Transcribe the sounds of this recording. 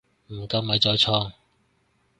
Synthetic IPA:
m̩˨˩kɐ˧wmɐ˨˥jt͡sɔː˧jt͡sʰɔː˥ŋ

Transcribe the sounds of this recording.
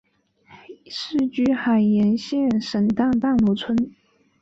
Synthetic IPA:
ʂɻ̩˥˩t͡ɕy˥xa˨˩ɪjɛ˧˥nɕjɛ˥˩nʂə˨˩ŋt̪ɑ˥˧ŋt̪ɑ˥˩ŋlwɔ˧˥t͡sʰwə˥n

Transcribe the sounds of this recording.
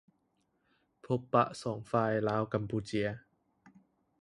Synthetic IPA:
pʰo˨˧pːa̰˧˨ʔsɔː˨˩ŋfaː˧jlaː˨˥wkɐ˧˩mpuː˧˩t͡ɕi˨˦ə˧

